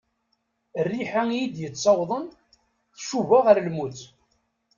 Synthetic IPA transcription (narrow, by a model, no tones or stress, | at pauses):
ərːiħajid̪jət͡sːɑwðˤən | θʃuvaʁəɾlmut͡s